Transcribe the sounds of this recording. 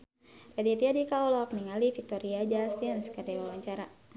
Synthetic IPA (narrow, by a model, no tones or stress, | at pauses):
radit̪iadikaɔlɔk̚niŋalifik̚t̪ɔɾiad͡ʒast̪iənskərdɛwawaɲt͡ʃaɾa